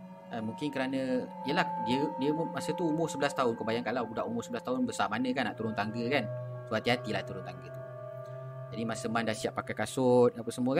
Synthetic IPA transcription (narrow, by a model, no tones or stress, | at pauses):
əmũŋkɪnkəɾanə̃ijəlahdiədiəmasət̪uːmʊhsəbəlast̪aɦʊnkəbajaŋkalawbudaʔumʊrsəbəlast̪aʊnbəsamanə̃kanːa̰ʔt̪uɾʊnt̪aŋɡəkan | suat̪iɦat̪ilaht̪uɾʊnt̪aŋɡət̪u̥ | d͡ʒadimasəmandasiaʔpakajkasʊt̪̚apəsəmuəkan